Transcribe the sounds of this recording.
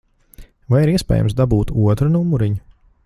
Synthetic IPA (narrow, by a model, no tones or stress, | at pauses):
vajiɾiɛspɛ̰ːja̰msd̪abuːt̪uɔt̪ɾunumuɾiɲu